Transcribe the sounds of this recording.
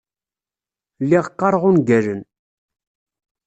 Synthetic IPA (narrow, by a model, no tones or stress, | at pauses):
lːiʁqːɑɾˤʁʊnɡæɾən